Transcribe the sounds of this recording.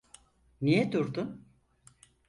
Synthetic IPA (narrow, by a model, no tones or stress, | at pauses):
nijɛd̪uɾd̪un